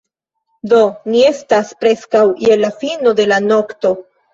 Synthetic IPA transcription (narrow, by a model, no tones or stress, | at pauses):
do̞nie̞staspɾe̞skawjelafino̞de̞lano̞kto̞